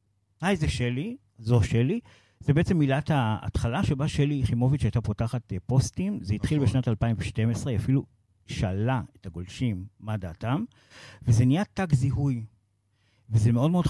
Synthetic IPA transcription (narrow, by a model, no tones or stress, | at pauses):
ajzeʃeli | zoʃeli | zebeet͡se̞mːilathaa̰tχalaʃebaʃeliχimo̞vitʃeajtapotaχatpo̞stimzeitχilbeʃnatalpaimveʃte̞mesʁeafilu | ʃaːlaethaɡo̞lʃimːadaːtam | vezenijataɡziɦuj | vezemeo̞dmeo̞d